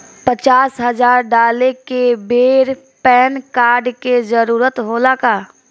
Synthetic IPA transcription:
pət͡ʃaːsɦɐzaːɾɖaːlekebeːɾ | pɛːnkaːɾɖkezəɾuːɾət̪ɦoːlakaː

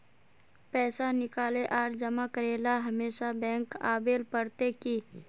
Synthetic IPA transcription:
pɛːsanɪkaːleʔaːɾd͡ʒəmakəɾeːlaɦɐmeːʃabɛ̃ːŋkaːbeːlpəɾt̪eki

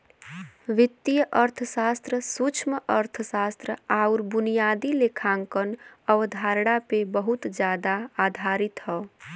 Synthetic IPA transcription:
ʋɪt̪ːijəʔəɾt̪ʰəsast̪ɾəsut͡ʃʰməəɾt̪ʰəsast̪ɾəauɾbʊnijad̪ilekʰaŋkənəʋd̪ʱaɾɽapebəɦut̪d͡ʒjad̪aːd̪ʱaɾit̪ɦɔ

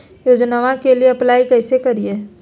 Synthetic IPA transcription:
joːd͡ʒnaːʋãkelieɐplaːikɛːsekɐɾieː

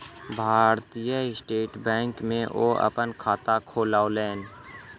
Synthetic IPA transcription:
bʱaːɾt̪ijəsʈeːʈbɛ̃ːŋkmẽʔo̰ːɐ̰pənkʰaːt̪akʰoːlaːoleːn

